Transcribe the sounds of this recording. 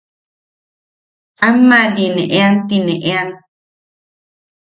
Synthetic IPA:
amːalineʔeant̪ineʔean

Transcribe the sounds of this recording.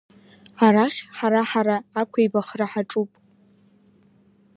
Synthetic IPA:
aɾaχʲħaɾaħaɾaːkʷʰajbaχraħaʈ͡ʂʼupʼ

